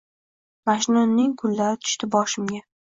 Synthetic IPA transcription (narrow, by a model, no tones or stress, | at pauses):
maʃɪnɒnːɪŋkʰʊlːaɾɪt̪ʰʊ̥ʃt̪ɪbɒʃɪmɡʲa